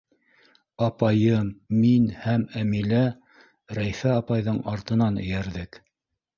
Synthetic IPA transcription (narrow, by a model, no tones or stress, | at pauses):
ɑpɑjɤmːinhæmæmilæ | ɾæjfæɑpɑjðɤɴɑɾt̪ɤ̆nɑnɘ̰̆jæɾðɘk